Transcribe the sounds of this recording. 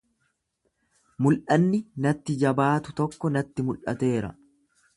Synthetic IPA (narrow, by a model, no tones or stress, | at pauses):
mʊlʔɐnːɪnɐt̪ːɪd͡ʒɐbaːt̪ʊt̪ɔkːɔnɐt̪ːɪmʊlʔɐ̰t̪e̞ːɾɐ̰